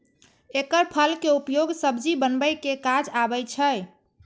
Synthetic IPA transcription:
ekəɾpʰəlkeupjoɡsəbd͡ʒibənbəjkekad͡ʒabət͡ʃʰə

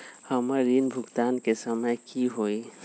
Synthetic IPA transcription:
həməɾːinbʱuɡt̪ankesəməjkiɦoj

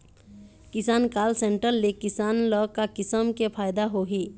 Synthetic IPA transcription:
kɪsankalseɳʈəɾːekisanlɔkakisəmkepʰajd̪aɦoɦi

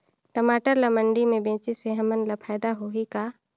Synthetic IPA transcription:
ʈəmaːʈəɾlaməɳɖimẽbẽːt͡ʃiseɦəmənlapʰaːd̪aɦoika

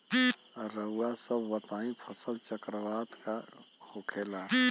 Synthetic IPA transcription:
ɾəuasəbʋət̪aːĩpʰəsəlt͡ʃəkɾəʋaːd̪ka | hokʰela

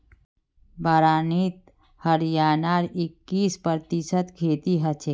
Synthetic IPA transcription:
baːɾaːniːt̪ | həɾjaːnaːɾɪkːiːspəɾt̪isət̪kʰeːt̪iɦɐt͡ʃʰeː

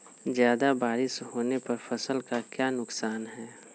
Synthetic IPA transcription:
zjaːd̪abaːɾɪsɦoːnepɐɾfɐsəlkakjaːnʊksaːnɦɛː

